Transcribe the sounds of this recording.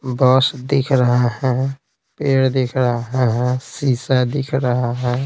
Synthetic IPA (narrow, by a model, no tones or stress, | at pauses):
bɔːsd̪ɪkʰɾəɦaɦɛ̃ | peːɽd̪ɪkʰɾəɦaɦɛ̃ɦɛ̃siːsad̪ɪkʰɾəɦaɦɛ̃